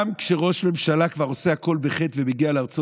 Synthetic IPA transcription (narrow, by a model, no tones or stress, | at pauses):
mkʃeʁo̞ʃme̞mʃalakvaʁo̞sehako̞lbeχet̪vemiɡialeaʁt͡so